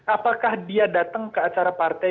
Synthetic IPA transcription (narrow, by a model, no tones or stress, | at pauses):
ʔapakahdiadat̪aŋkəat͡ʃaɾapart̪a